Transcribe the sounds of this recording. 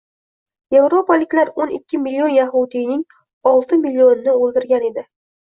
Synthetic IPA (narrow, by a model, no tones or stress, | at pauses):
je̞vɾo̞palɪkʲlaɾonɪkʲːɪmilʲːio̞njaɦud̪ijnɪŋ | ɒlˠt̪ʰɪmilːio̞nːɪolˠd̪ɪɾɡʲane̞d̪ɪ